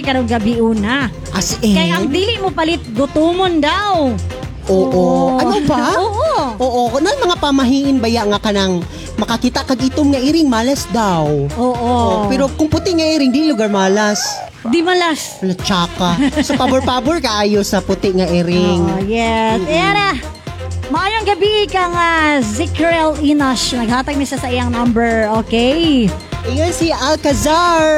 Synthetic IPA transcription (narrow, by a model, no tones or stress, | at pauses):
kɐɾoŋɡɐbɪʔuːna | ʔasʔɛkɐjɐŋd̪iːlɪʔmopɐlɪt̪̚ɡʊt̪omond̪aw | ʔoːʔoɐnobaooʔoːʔo̞nɐŋmɐŋapamɐɦiːʔɪnbɐjaʔŋakɐnɐŋ | mɐkɐkiːt̪aʔkɐɡʔɪt̪omŋɐʔiɾɪŋmaːlɐsd̪awoːʔopɛɾokʊŋpʊt̪ɪʔŋɐʔiɾɪŋd̪ilʊɡaɹmaːlas | d̪imɐlas | ɐnɐt͡ʃaːkasɐpabɛɹpabɛɹkɐʔaːjosɐpʊt̪ɪʔŋɐʔɛɾɪŋojɛsɛna | mɐʔaːjoŋɡɐbiʔɪkɐŋazɪkɛɹɛlinɐʃnɐɡ̚haːt̪ɐɡ̚nɐʃasɐʔɪjɐŋnambɛɹʔokɛj | ʔɪŋansiʔalkɐzaɹ